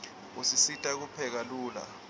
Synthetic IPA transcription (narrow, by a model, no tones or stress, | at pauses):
usisitʼak̬upʰɛk̬aluːla̰